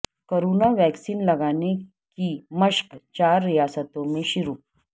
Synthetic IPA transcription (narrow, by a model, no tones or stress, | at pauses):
kəɾunaʋɛksiːnləɡane | kiməɕkt͡ɕaɾːijasət̪omeɕiɾuː